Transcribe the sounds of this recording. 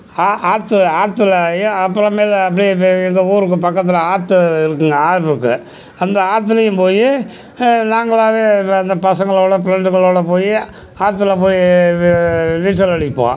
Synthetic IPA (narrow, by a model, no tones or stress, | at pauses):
aːʔaːɾt̪ːɯaːɾt̪ːɯlɐɐpːɐɾɐ̃meːlɐp̬ːɐɽiɛŋɡɐuːɾɯk̬ːɯpɐkːɐt̪̬ːɪlɐaːɾt̪ɯɪɾɯk̬ːɯŋɡɐaːɾʋɯkːɯ̰ | ɐnd̪ɐaːɾt̪̬ːɯlɐjɯ̃mpoːji | naːŋɡɐɭaːʋeːɐnd̪ɐpɐsɐŋɡɐɭoːɽɐpɪɾɐɳɖɯɣɐɭoːɽɐpoːji | aːɾt̪̬ːɯlɐp̬oːji | nɪsɐlɐɽɪpːõ̰ː